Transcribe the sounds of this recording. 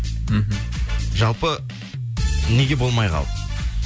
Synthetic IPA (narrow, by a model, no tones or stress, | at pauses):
m̩ɦm̩ʒɑlˠpə | ne̞ɡʲe̞bo̞lˠmɑjqɑ̰lˠ